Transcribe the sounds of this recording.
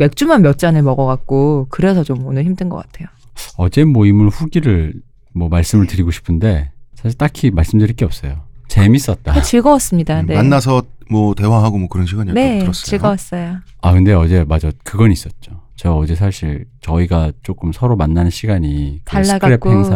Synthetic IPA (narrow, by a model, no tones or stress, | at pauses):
me̞k̚t͡ɕ͈umanmjʌt̚t͡ɕ͈anɯɭmʌɡʌɡak̚k͈okɯɾe̞sʰʌt͡ɕomonɯɭçimdɯnɡʌk͈atʰe̞joʌd͡ʑe̞mwʌimuɭɸuɡiɾɯɭ | mwʌmaɭs͈ɯmɯɭtɯɾiɡoɕʰi̥pʰɯnde̞sʰaɕʰiɭt͈akʰimaɭs͈ɯmdɯɾik͈eʌp̚s͈ʌjot͡ɕemis͈ʌt̚t͈at͡ɕiɭɡʌwas͈ɯmɲidaemanːasʰʌmwʌte̞waɦaɡomwʌkɯɾʌnɕʰiɡaɲineʌst͡ɕiɭɡʌwas͈ʌjo | akɯnde̞ʌd͡ʑe̞mad͡ʑakɯɡʌnis͈ʌt̚t͡ɕ͈ot͡ɕeɡaʌd͡ʑe̞sʰaɕʰiɭt͡ɕʌiɡat͡ɕ͈ok͈ɯmsʰʌɾomanːanɯnɕʰiɡaɲiktaɭsːaɡkɯɾepʰheŋsʰa